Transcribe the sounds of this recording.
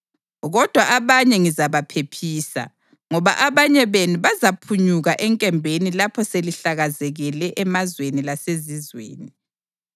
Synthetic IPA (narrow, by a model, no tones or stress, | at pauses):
ɣɔd̥ʱwaʔaβaɲɛŋizaβapʰepʰiːsa̰ | ŋɔβa̰ʔaβaɲɛβenuβazapʰuɲuɣaʔɛŋkʼɛmbʱenilapʰɔseliɬaɣazɛɣɛlɛʔɛmazwenilasezizwḛːni